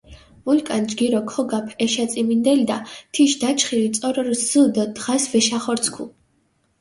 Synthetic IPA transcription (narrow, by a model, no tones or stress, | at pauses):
vulkʼand͡ʒɡiɾɔkʰɔɡapʰɛʃat̪sʼimind̪ɛlid̪at̪ʰiʃd̪at͡ʃʰχilit̪sʼɔɾɾzɨd̪ɔd̪ʁasvɛʃaχɔɾt̪sʰkʰṵ